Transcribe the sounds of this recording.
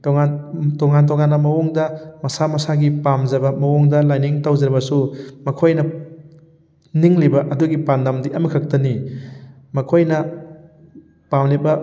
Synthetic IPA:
toŋantoŋant̬oŋanːɐmɐwoŋdɐmɐsamɐsaɡipamzɐbɐmɐwoŋdɐlajniŋtawzɐɾbɐsumɐkʰojnɐ | niŋlibɐʔɐduɡipandamdiʔɐmikʰɐk̚tɐni | mɐkʰojnɐ | pamlebɐ

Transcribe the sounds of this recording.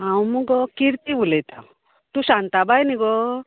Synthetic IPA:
awmuɡɔkiɾt̪ibulɛt̪aw | t̪usant̪abajniɡɔ

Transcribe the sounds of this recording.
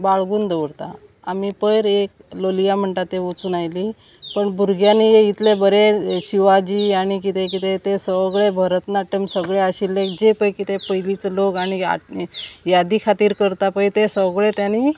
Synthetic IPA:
baɭɡuːnd̪eʋəɽt̪a̰ | amipəjɾek | lolijam̤əɳʈ̪at̪eot͡sunajli | pəɳbʱuɾɡjanijeit̪lebəɾeɕiʋad͡ʑiːaɽ̃ikit̪ekit̪et̪esəɡɭebʱəɾət̪naʈemsəɡɭeəɕilːekd͡ʑepəjkit̪epəjlit͡slokaɽ̃ia̰jad̪ikʰat̪iːɾkəɾt̪apəjt̪esəʋɡɭet̪jani

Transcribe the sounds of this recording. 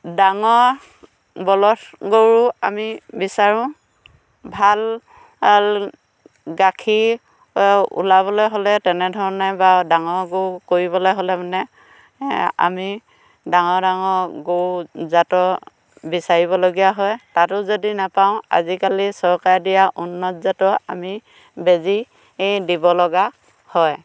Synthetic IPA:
daŋɔɹ | bɔlɔtɡoɹua̰mibisaɹʊ̃ | bʱal | l | ɡakʰi | ṵlaβɔlɔjɦolɛtɛnɛdʱɔɹɔnɛbadaŋɔɡowkoɹiβɔlɔjɦolɛmanɛ | a̰mi | daŋɔdaŋɔɡowzatɔ | bisaɹiβɔloɡijaɦɔjtatʊzodinapaʊ̃a̰zikalisɔɹkaɹdijaʔunːɔt̚zatɔa̰mi | bezi | dibɔlɔɡa | hɔj

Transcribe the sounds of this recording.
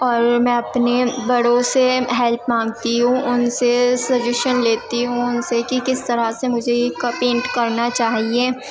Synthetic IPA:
ɔːɾmɛ̃ːɐpnebɐɽõseɦɛlpmãːŋɡt̪iɦũʔʊnsesɐd͡ʒɪʃənleːt̪iɦũʊnsekikɪst̪ɐɾasemʊd͡ʒʱeekːapɪ̃ɳʈkɐɾnat͡ʃaːɦieː

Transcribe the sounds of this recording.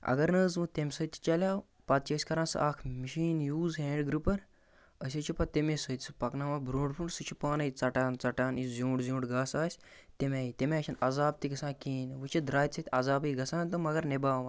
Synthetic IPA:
ɐ̰ɡɐɾnəːzmɨt̪emʲsət̪ʲʰi̥t͡ʃɐlʲaː | pɐt̪̚t͡ʃɐsʲkɐɾãːsɨ̰ʔaːkʰmiʃiːnjuːzɦeɖɡɾupɐɾ | ɐs̬ʲɐt͡ʃʰupɐt̪emesət̪ʲsɨ̥pɐknaːmaːbɾõːɖpʰuɳɖsɨt͡ʃʰupaːnɐjit͡sɐʈaːnt͡sɐʈaːnizʲuːɳɖzʲũːɳɖɡaːsaːsʲ | t̪emʲeːit̪emeːt͡ʃʲʰɐnɐzaːb̚t̪iɡɐsãːkiːnʋɨt͡ʃʰid̪ɾaːjt̪ʲsʰɐt̪ʰʲɐzaːbiɡɐsãːnt̪ɨmɐɡɐɾnebaːʋɐː

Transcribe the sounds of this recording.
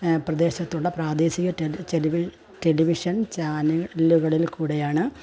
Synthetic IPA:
prɐd̪e̞ːɕɐt̪ːuɭːɐpraːd̪e̞ːɕiɣɐʈet͡ɕeliʋ | ʈe̞liʋiʂɐnt͡ɕaːnuluɣɐɭilkuːɽejaːɳɨ

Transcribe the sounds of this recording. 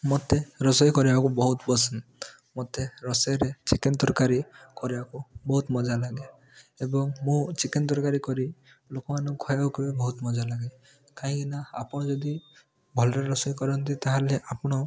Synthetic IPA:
mot̪eɾɔsɔjkɔɾibakubɔɦut̪bɔsɔn | mot̪eɾɔsɔjɾet͡ʃikint̪ɔɾkaɾikɔɾibakubɔɦut̪mɔd͡ʒalaɡe | ebɔŋmũt͡ʃikint̪ɔɾkaɾikɔɾi | lokɔmanɔkkʰɔjakibebɔɦut̪mɔd͡ʒalaɡe | kaɦĩɡinaa̰pɔ̃d͡ʒɔd̪i | bʱɔlɾɔɾɔsɔjkɔɾɔnt̪ĩt̪aɦaleʔapɽ̃ɔ

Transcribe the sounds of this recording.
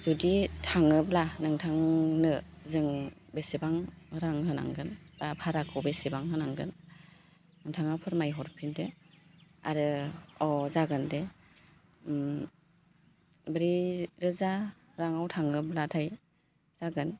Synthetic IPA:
zuditʰaŋɯblanɯŋtʰaŋnɯzɯŋbesibaŋhɯɾaŋɦɯna̰ŋɡɯnbapʰaɾakʰɯwbesibaŋɦɯnaŋɡɯnː | ɯŋtʰaŋapʰɯɾmajɦɔɾpʰinde | a̰ɾɯɔzaɡɯnde | bɾiɾɯza | ɾaŋawtʰaŋɯblatʰaj | z̥aɡɯn

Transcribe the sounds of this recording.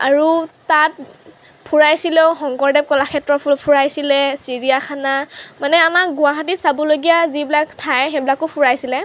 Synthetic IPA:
a̰ɹutat̚ | pʰuɹajsilɛʊxɔŋkɔɹdɛp̚kɔlaxʰɛtɹɔpʰuɹajsilɛsiɹijakʰanamanɛamakɡʊaɦat̬itsabɔloɡijazibilaktʰajxɛbilakʊpʰuɹajsilɛ

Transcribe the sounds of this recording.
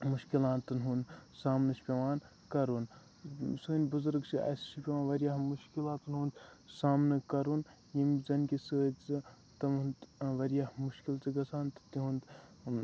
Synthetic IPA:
muʃkilãːnt̪ɨnɦunsaːmnɨʃpʲeʋaːn | kɐɾuːn | soːnʲbuzuɾɡt͡ʃʰiɐ̰siʃipʲeʋaːnʋɐɾjamuʃkilaːt̪ɨnɦuːnd̪saːmnɨkɐɾun | jimzɐnkʲisəːt͡si | t̪ɐmʋɐɾijahmuʃkilt͡sɨɡɐsʰaːnt̪ɨ̥t̪iɦund̪

